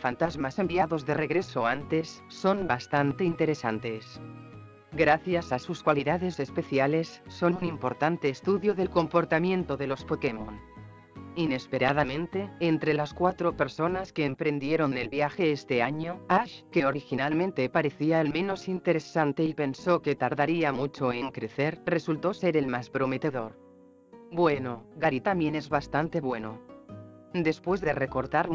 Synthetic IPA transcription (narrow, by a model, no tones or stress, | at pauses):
fant̪azmasembiaðo̞zðereɣ̞ɾe̞soant̪e̞sːo̞mbast̪ant̪e̞int̪e̞ɾe̞sa̰nt̪e̞s | ɡɾaθjasasuskwaliðaðe̞se̞spe̞θjale̞sːo̞nunimpo̞ɾt̪ant̪e̞ːst̪uðjoðe̞lko̞mpo̞ɾt̪amjẽ̞nt̪oðe̞lo̞spokemon | ine̞spe̞ɾað̞amẽnt̪e̞ːnt̪ɾe̞laskwat̪ɾope̞ɾso̞naske̞ːmpɾe̞nd̪je̞ɾo̞nd̪e̞lβjaxe̞est̪e̞aɲoaʃke̞oɾixinalmẽnt̪e̞paɾe̞θiaelmẽ̞no̞sint̪e̞ɾe̞sant̪e̞ipe̞nso̞ke̞t̪aɾðaɾiamut͡ʃo̞eŋkɾe̞θe̞ɾre̞sult̪o̞se̞ɾe̞lmaspɾo̞me̞t̪e̞ðo̞ɾ | bwe̞no̞ɣaɾit̪amje̞ne̞zβast̪ant̪e̞βwe̞no̞̰ | d̪e̞spwe̞zðe̞re̞ko̞ɾt̪aɾ